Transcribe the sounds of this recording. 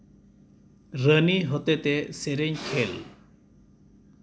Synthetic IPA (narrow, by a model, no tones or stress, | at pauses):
ɾəniɦɔt̪et̪eseɾeɲkʰel